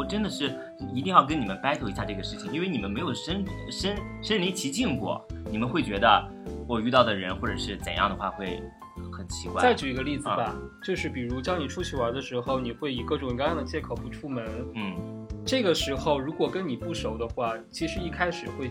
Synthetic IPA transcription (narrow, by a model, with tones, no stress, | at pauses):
wɔ˨˩ʈ͡ʂə˥nd̪ə˨ʂɻ̩˥˩˥ | i˧˥t̪i˥˧ŋjɑ˥˩kə˥ni˨˩mə˦npa˥ɪt̪ʰo˧˥ʊi˧˥ɕja˥˧ʈ͡ʂɤ˥˩ɡə˩ʂɻ̩˥˩t͡ɕʰi˨˩ŋi˥nwe˥˩ni˨˩mə˦nme˧˥ɪjo˨˩ʊʂə˥nʂə˥nʂə˥nli˧˥nt͡ɕʰi˧˥t͡ɕi˥˧ŋkwɔ̰˥˩ni˨˩mə˧˦nxwe˥˩ɪt͡ɕɥɛ˧˥d̪ə˧ | wɔ˨˩y˥˧t̪ɑ˥˩ʊd̪ə˩ɻə˧˥nxwɔ˥˩ʈ͡ʂɤ˨˩ʂɻ̩˥˩t͡sə̰˨˩njɑ˥˩ŋd̪ə˩xwa̰˥˧xwe˥˩ɪ | xə˨˩nt͡ɕʰi̥˧˥kwa̰˥˧˥a˥˩ɪt͡ɕu˨˩i˧˥ɡə˧li˥˩d͡z̩˥˧˩ba˩t͡ɕjo˥˧ʊʂɻ̩˥˩pi˨˩ɻu˧˥t̪ɑ˥ŋni˨˩ʈ͡ʂʰu˥t͡ɕʰi˥˩ə˞˧˥d̪ə˧ʂɻ̩˧˥xo˥˧ʊni˨˩xwe˥˩ɪi˨˩kɤ˥˩ʈ͡ʂʊ˨˩ŋ˧ŋkɑ˥jɑ˥˩d̪ə˩t͡ɕjɛ˥˩kʰo˨˩ʊpu˧˥ʈ͡ʂʰu˥mə˧˥nn̩˥˩ʈ͡ʂɤ˥˩ɡə˩ʂɻ̩˧˥xo˥˧˩ʊɻu˧˥kwɔ˨˩kə˥nni˨˩pu˥˩ʂo˧˥ʊd̪ə˧xwa˥˩t͡ɕʰi˧˥ʂɻ̩˧˥i˥˩kʰa˥ɪʂɻ̩˨˩xwe˥˧ɪ